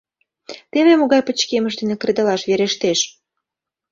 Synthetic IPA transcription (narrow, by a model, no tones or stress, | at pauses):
t̪eβemoɣɑjpə̆t͡ɕkeməʃd̪enĕkred̪əlɑʃβeɾeʃt̪eʃ